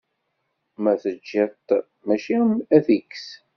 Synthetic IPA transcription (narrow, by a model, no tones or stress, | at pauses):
mæθəd͡ʒːæt̪ | mæʃiæθiks